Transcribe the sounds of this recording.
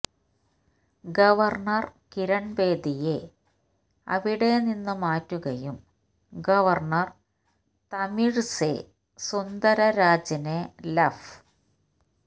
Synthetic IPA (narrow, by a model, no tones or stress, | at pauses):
ɡɐʋɐrɳɐrkiɾɐɳbe̞ːd̪ije | ɐ̰ʋiɽe̞ninːɨmaːtːuɣɐjum | ɡɐʋɐrɳɐr | t̪ɐmiɻse | sund̪ɐɾɐɾaːd͡ʑɐnelɐf